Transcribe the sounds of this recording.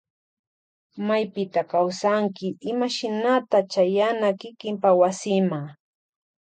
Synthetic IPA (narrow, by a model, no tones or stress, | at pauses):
majpɪt̪akawsaŋkɪɪmaʃɪnat̪at͡ʃajanakɪkɪmpawasɪmaŋ